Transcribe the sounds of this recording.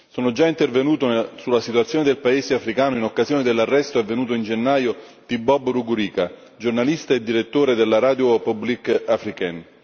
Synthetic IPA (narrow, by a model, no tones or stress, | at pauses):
soːnod͡ʒaint̪ervenuːt̪osulːasit̪uat̪sːjoːned̪elpaeːzeafɾikaːnoinokːazjoːned̪elːarːɛst̪oɛvːenuːt̪̬oind͡ʒenːaːjot̪ibːɔbruɡɾiːka | d͡ʒornalist̪aed̪ːiɾet̪ːoːɾed̪elːaɾaːd̪jopublikafɾikɛn